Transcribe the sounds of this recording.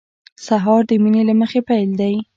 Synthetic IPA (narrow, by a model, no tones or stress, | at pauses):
saɦɑɾd̪əminelaməxepajld̪aj